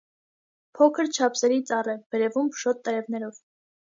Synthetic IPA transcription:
pʰɔkʰəɾt͡ʃʰɑpʰsɛɾit͡sɑrɛb̥ɛɾɛvumʃɔt̪ːəɾɛvnɛɾɔv

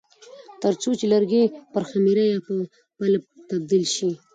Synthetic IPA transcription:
t̪əɾt͡sot͡ʃelaɾɡepəɾxamiɾajapə | palab̚t̪ab̚d̪ilʃi

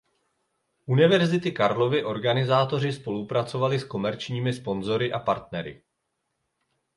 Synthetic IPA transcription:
ʔunɪvɛɾzɪt̪ɪkaɾlo̞vɪʔo̞ɾɡanɪzaːt̪o̞r̝ɪspo̞lupɾat͡so̞valɪsko̞mɛɾt͡ʃɲiːmɪspo̞nzo̞ɾɪʔapaɾt̪nɛɾɪ̰

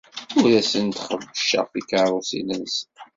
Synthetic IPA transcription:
ʊɾæsənt̪χəvːəʃːə̰ʁfikaɾˤʊsḭnəns

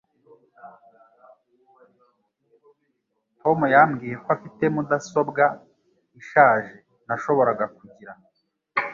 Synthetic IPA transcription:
tʰo̞mujamɡiːje̞koafite̞mudaso̞bɡa | iʃaːʒe̞ | naʃo̞βo̞ɾaɡakuɟiɾa

